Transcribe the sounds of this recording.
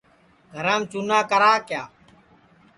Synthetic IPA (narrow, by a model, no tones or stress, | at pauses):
ɡʱəɾãːmt͡ʃunaːkəɾaːkjaː